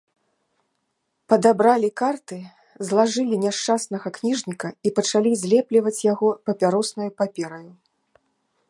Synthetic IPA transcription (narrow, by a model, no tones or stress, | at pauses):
pɐd̪abɾalʲikart̪ɨ | zlˠaʐɨlʲinʲɛʂt͡ʂasnɐɣɐknʲiʐnʲikɐipɐt͡ʂalʲizʲlʲɛplʲivɐt͡sʲjaɣɔpɐpʲaɾɔsnɐjupapʲɛɾɐju